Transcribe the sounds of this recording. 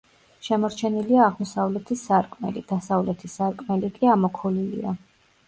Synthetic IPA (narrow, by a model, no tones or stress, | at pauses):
ʃɛmɔɾt͡ʃʰɛniliaːʁmɔsavlɛt̪ʰisaɾkʼmɛ̰lid̪̥asavlɛt̪ʰisaɾkʼmɛlikʼiamɔkʰulilḭa̰